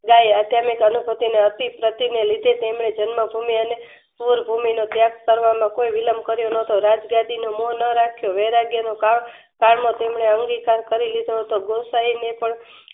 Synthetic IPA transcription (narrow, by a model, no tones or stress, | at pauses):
ɡajad̪ʱjamikənubʱət̪ineət̪ipɾət̪inelid̪ʱet̪emɳed͡ʒənməbʱumiəne | puɾbʱuminot̪jakkəɾʋamãkoiʋiləmkəɾjonət̪oɾad͡ʒɡad̪inomonəɾakʰjoʋeɾaɡjənoka | kaɳmõt̪emɳeəŋɡikaɾkəɾilid̪ʱoɦət̪oɡosainepəɳ